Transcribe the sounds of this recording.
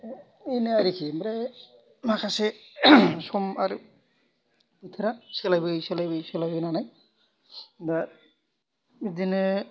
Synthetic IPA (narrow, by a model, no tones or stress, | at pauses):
ijnɯaɾikʰimɾa | makʰase | sɔmaɾ | bit̪ʰaɾasɯlajbɯjsɯlajbɯjsɯlajbɯjnanaj | da | idinɯ